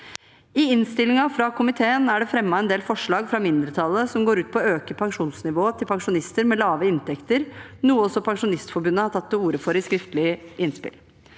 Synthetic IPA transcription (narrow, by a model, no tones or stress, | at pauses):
ɪɪnst̪ɪlɪŋɑfɾɑkʰʊmɪt̪ʰeːənæɖɛfɾɛmːɑɛnd̪eːlfɔʂɭɑːɡfɾɑmɪnd̪ɾət̪ʰɑlˠːəsɔmɡoːɾʉːt̪pʰɔøːkəpʰɑŋʂuːnsnɪʋoːt̪ʰɪlpʰɑŋʂʊnɪst̪əɾmɛlɑːʋəɪnt̪ɛkt̪əɾnuːəɔsːɔpʰɑŋʂʊnɪst̪fɔbʉnːəhɑʈʰɑt̪ːɛuːɾəfɔɾɪskɾɪft̪əlɪʔɪnspɪ̰l